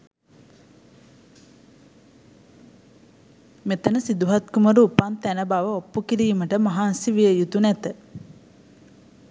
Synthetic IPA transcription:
met̪ənəsid̪uɦat̪kuməɾuːpant̪ænəbaʋəopːukiɾiːməʈəmaɦaːnsiʋijəjut̪unɛt̪ə

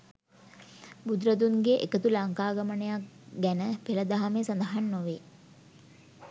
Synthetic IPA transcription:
bud̪ɾəd̪uŋɡeʔekət̪ulaŋkaːɡamənəjakɡænəpeləd̪aɦamesand̪əɦanːoʋe

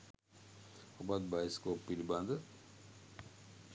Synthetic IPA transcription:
obɐd̪̚baiskopilbãnd̪

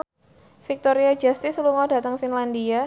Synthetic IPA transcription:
fik̚t̪ɔɾiad͡ʒast̪ɪsluŋɔdat̪əŋfinlandia

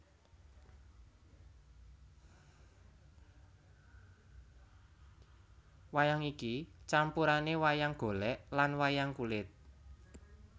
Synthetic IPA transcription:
wajaŋikit͡ʃampuɾanewajaŋɡ̥o̤lɛʔlanwajaŋkulɪt̪̚

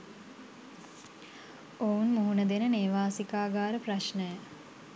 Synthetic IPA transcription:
ounmuɦunəd̪enəneːʋaːsikaːɡaːɾəpraʃnəjə

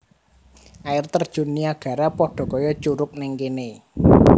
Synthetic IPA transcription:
ʔaɪrt̪ərd̥ʒ̥ṳnːiaɡ̥ä̤ɾapɔɖ̥ɔ̤kɔjɔt͡ʃuɾʊk̚nɪŋkene

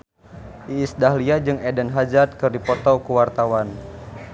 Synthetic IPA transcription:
ʔiːsdaɦliad͡ʒɨŋɛdɛnɦad͡ʒat̪̚kɨrdipɔt̪ɔkuwart̪awan

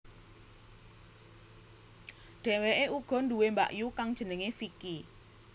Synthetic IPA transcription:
d̥ɛ̤weʔeuɡ̥ɔ̤ndṳwemba̰ʔjukaŋd̥ʒ̥ə̤nəŋesiki

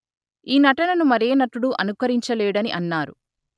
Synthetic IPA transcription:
iːnɐʈɐnɐnumɐɾeːnɐʈuɽuʔɐnukɐɾiɲt͡ʃɐlɛːɽɐniʔɐnːaːɾu

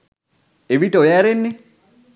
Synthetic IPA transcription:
eʋitojaɾɪnːɪ

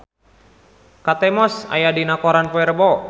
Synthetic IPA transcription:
kat̪ɛmɔsa̰jadinakɔɾanpoɛrbɔ

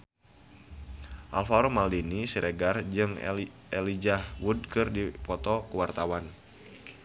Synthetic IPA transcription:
ʔalfaɾomaldinisiɾʔeɡard͡ʒɨŋ | elid͡ʒahwud̚kɨrdipɔt̪ɔkuwart̪awan

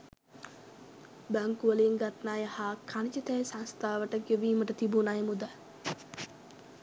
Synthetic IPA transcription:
bæŋkuʋəleːŋɡat̪naːjahaːkʰanit͡ʃət̪æjsaŋst̪ʰaːʋəʈəɡeʋiːməʈət̪ibunajmud̪a

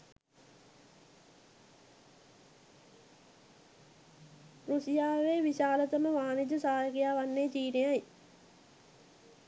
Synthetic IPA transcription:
rusijaːʋeʋiɕaːlət̪əməʋaːnid͡ʒəsaːjɐɡijaːʋanːeːt͡ʃiːnejaj

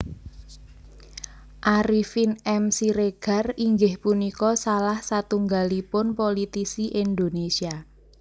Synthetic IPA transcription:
ʔaɾifinɛmsiɾeɡ̥a̤riŋɡɪhpunikɔsalahsat̪uŋɡalipʊnpolit̪isiʔend̪onesia

